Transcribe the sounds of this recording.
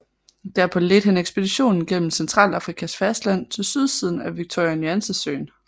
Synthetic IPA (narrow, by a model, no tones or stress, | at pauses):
d̥æɐpʰɒ̽led̥hæneɡ̥sb̥e̝d̥iɕo̝̰ːnn̩ɡ̥en̰m̩sent͡sʰʁɑ̰̈ːlɑ̈fʁikʰæsfæsd̥læn̰t͡sʰe̝lsyð̞ˠsiðˠn̩æʋiɡ̥̚t͡sʰɒ̰æniænsəsø̰ːn